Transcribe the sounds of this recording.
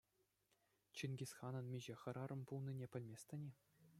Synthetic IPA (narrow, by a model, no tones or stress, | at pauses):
t͡ɕinɡʲisʲχɑnɤ̆nmʲiʑeχɤ̆ɾɑɾɤ̆mpulˠnʲinʲepʲɘ̆lʲmʲesʲt̪ʲɘ̆nʲe